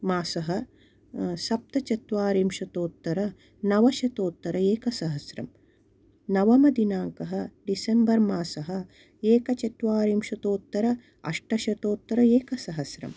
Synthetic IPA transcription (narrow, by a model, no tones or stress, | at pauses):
maːsɐɦɐ̆ | sɐp̚t̪ɐt͡ʃɐt̪ʋaːɾimʃɐt̪oːt̪ːɐɾɐ | nɐʋɐʃɐt̪oːt̪ːɐɾɐeːkɐsɐɦɐsɾɐ̰m | nɐʋɐmɐd̪inaːŋkɐɦɐ̆ɖisembɐɾmaːsɐɦɐ̆ | eːkɐt͡ʃɐt̪ʋaːɾimʃɐt̪oːt̪ːɐɾɐ | ɐ̰ʂʈɐʃɐt̪oːt̪ːɐɾɐeːkɐsɐɦɐsɾɐ̰m